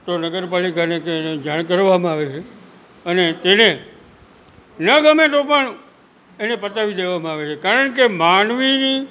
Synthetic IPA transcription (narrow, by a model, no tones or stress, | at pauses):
t̪onəɡəɾpalikanekeːned͡ʒaɽ̃kəɾʋamãaʋet͡ʃʰe | ənet̪ene | nəɡəmet̪opəɳ | enepət̪aʋid̪eʋamãaʋet͡ʃʰekaɾəɳkemanʋini